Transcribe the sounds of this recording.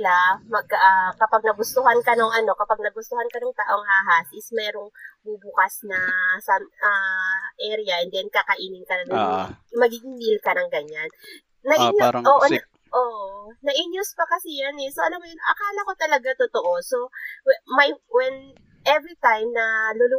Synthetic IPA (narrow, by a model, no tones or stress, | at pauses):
lamɐɡ̚ʔakɐpaɡ̚nɐɡʊst̪ʊɦankɐnoŋʔɐno̞kɐpaɡ̚nɐɡʊst̪ʊhankɐnoŋt̪aːʔo̞ŋhaːɦasʔɪsmɛːɾoŋbubʊkasnɐsɐaʔɛɾɪɐʔɛnd̪ɛnkakɐʔiːnɪŋkɐnɐnɐmɐɡiɡɪŋmilkɐnɐŋɡɐɲanː | ɐʔɪɲjoʔoʔonɐ | ʔoʔnɐʔɪɲjʊspɐkɐsɛjanɛsoʔɐlamojɐnʔɐ̰kaːlɐko̞t̪ɐlɐɡat̪ʊt̪oʔo̞so̞wɛmɐjwɛn | ʔɛvɾit̪ajmnɐlʊlʊ